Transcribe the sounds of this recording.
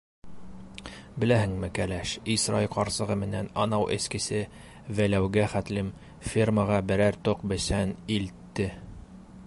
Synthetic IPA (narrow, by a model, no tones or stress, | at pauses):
bɘ̆læɦɘŋmɘkælæʃisɾɑ̰jqɒɾsɤ̆ʁɤmɘ̆nænɑnɑwʔɘ̰̆skɘ̆sɘ | vælæwɡæχæt̪lɘm | fʲirməʁɑbɘ̆ɾæɾt̪oqbɘ̆sænilt̪ːɘ